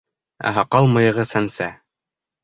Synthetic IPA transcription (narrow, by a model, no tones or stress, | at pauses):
æ̰ɦɑqɑlˠmɤ̆jɤ̆ʁɤsænsæ